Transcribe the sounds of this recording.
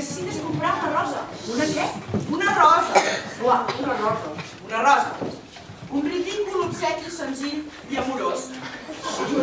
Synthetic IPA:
se̥sit̪əskumpɾaunɐrɔzɐ̰unɐɛunɐrɔzəklaunɐrɔzɐ | unɐrɔzɐ̰ | umbrɾit̪iɲbulut̪sɛt̪isənziʎ | iəmuɾos

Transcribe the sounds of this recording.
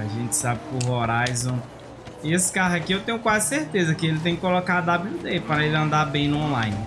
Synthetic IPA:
aʒẽt͡ʃɪ̥sabɪkɪʊɦoɾajzɐ̃w̃ | esɪ̥kaɾɐkɪewt̪ẽj̃ʊkwazɪseɾt̪ezɐkɪelɪt̪ẽj̃kɪkolokad̪ablud̪epɾɐelɪɐ̃nd̪abẽj̃nʊõlajnɪ

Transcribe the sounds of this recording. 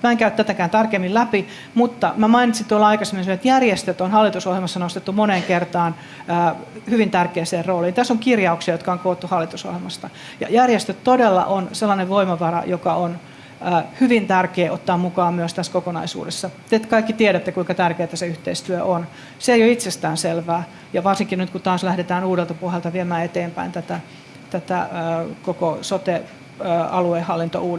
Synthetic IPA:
mæeŋkæyt̪æt̪ækæːnt̪ɑrkemːillæpi | mut̪ːɑmæmɑinit̪sint̪uolɑikɑsemːnseoet̪jærjest̪øt̪onhɑlːit̪usohelmɑsːɑnost̪et̪ːumoneːŋkert̪ɑːn | əːhyʋint̪ærkeːseːrroːliːnit̪æsːoŋkirjɑuksiɑjot̪kɑoŋkoːt̪ːuhɑlːit̪uso̰helmɑst̪ɑ | jɑ̰jærjest̪øt̪t̪odelːɑ̰ʔonselːɑneʋʋoimɑʋɑrɑ̰jokɑon | əːhyʋint̪ærkeːʔot̪ːɑːmmukɑːmmyøst̪æskokonɑ̰isṵːdesːɑt̪et̪kɑikːit̪ieɾæt̪ːekuiŋkɑt̪ærkeːt̪æseyht̪eist̪yøʔon | seeijoit̪sest̪æːnselʋæː | jɑʋɑrsiŋkinnyt̪̚kut̪ɑːslæhdet̪æːnuːdelt̪ɑpuohelt̪ɑʋiemæːet̪eːmpæ̰int̪æt̪æ | t̪æt̪æ̰ːkokosot̪eː | ɑluehɑlːint̪o̰uː

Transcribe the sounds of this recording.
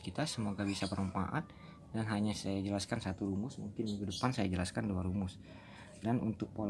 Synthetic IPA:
kit̪asəmoɡabisapəɾəmpa̰ʔat̪̚ | danɦaɲasajad͡ʒəlaskansat̪uɾumʊsmuŋkɪnmiŋɡudəpansajad͡ʒəlaskanduaɾumʊs | danunt̪ʊk̚pol

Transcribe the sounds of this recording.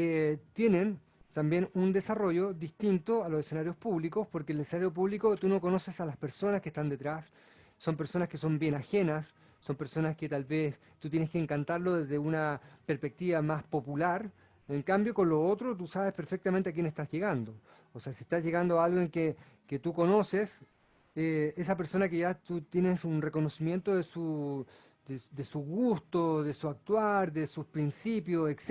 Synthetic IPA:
et̪je̞nen | t̪ambje̞nund̪e̞saro̞ʝoðist̪int̪oalo̞sesenaɾjo̞spuβlikospoɾkelesenaɾjop̬uβlikot̪uno̞kono̞sesalaspeɾso̞naskest̪and̪et̪ɾasː | o̞mpe̞ɾso̞naskeso̞mbje̞naxe̞nasː | o̞mpeɾso̞nasket̪alβes | t̪ut̪jneskeːŋkant̪aɾlo̞ðezðeunapeɾspek̚t̪iβamaspo̞pulaɾ | eŋkambjo̞ko̞nlo̞ot̪ɾot̪̬usaβe̞speɾfek̚t̪amẽnt̪eak̬jenest̪azʝe̞ɣand̪oː | seasiest̪azʝe̞ɣand̪oaalɣoeŋke | ket̪uko̞no̞ses | eesapeɾso̞nakeʝat̪ut̪je̞nesunreko̞no̞simje̞nt̪oðesu | d̪ed̪esuɣust̪oðesuak̚t̪waɾðesuspɾinsipjoseks

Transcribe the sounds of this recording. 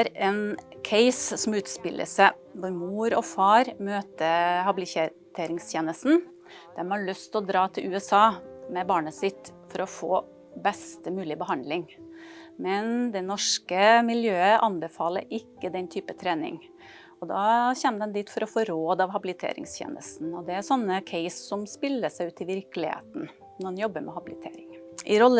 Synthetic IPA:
ɾɛnkʰɛɪssɔmʉːt̪spɪlʔə̰sə | ʋʊɾmuːɾɔfɑːɾmøːt̪əhɑbɪlɪeː | t̪ʰeːɾɪŋst̪ʰjeːnəst̪n̩ | d̪̥ɛmhɑɭœst̪ɔd̪ɾɑːt̪ʰɪlʉːɛsɑːmɛbɑːɳəsɪt̪fɔɾɔfoː | bɛst̪əmʉːlɪbəhɑnd̪lɪŋ | mɛnd̪ɛnɔʂkəmɪljøːəʔɑnbəfɑːlə̰ɾɪkːəd̪ɛnt̪ʰyːpət̪ʰɾeːnɪ̰ŋ | ɔd̪ɑ̰ːçɛnːəd̪ɛnd̪iːt̪fɔɾɔfoːɾoːd̪ɑʋɦɑbɪlɪt̪ʰḛːɾɪ̰ŋst̪ʰjḛːnə̰st̪n̩ɔd̪ɛæsɔnːəkʰɛɪssɔmspɪlːəsæɪʉːt̪ɪʋɪɾkəlɪhḛːt̪n̩ | nɔɛnjɔbːəmʔɛ̰hɑbɪlɪt̪ʰḛːɾɪŋ | ʔɪɾɔlːə

